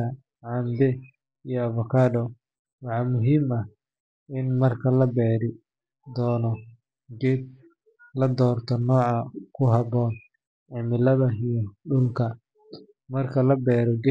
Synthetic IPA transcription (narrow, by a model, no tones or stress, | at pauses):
ɐ | ʕɑnd̪ɛ | ijɔɐvɔkʰaːɖɔ | wɑħɑmʊɦiːmɐh | ɪnmɐrkʰɐlɐbɛːɾɪ | d̪ɔːnɔ | ɡɛːd̪̚ | lɐd̪ɔːrt̪ʰɔnɔːʕɑkʰʊɦɑbɔːn | ʕɪmɪlɐðɐijɔɖʊlkʰɐ | mɐrkʰɐlɐbɛːɾɔɡɛ